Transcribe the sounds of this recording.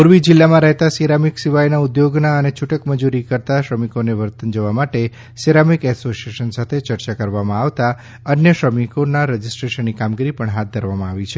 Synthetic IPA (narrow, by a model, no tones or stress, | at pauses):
puɾʋid͡ʒɪlːamãɾɛɦt̪asiɾamiksiʋajnaud̪joɡnaənet͡ʃʰuʈəkməd͡ʒuɾikəɾt̪aʃɾəmikoneʋəɾt̪ənd͡ʒəʋamaʈe | siɾamikɛsosieʃənsat̪ʰet͡ʃəɾt͡ʃakəɾʋamãaʋt̪a | ənjəʃɾəmikonaɾəd͡ʒisʈɾeʃənːikamɡiɾipəɳɦat̪̚d̪ʱəɾʋamãaʋit͡ʃʰe